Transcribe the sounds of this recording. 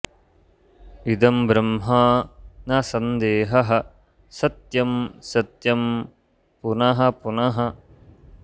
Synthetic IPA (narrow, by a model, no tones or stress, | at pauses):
id̪ɐmbɾɐmɦaːnɐsɐnd̪eːɦɐɦɐ̆ | sɐt̪jɐmsɐt̪jɐm | punɐɦɐpunɐɦɐ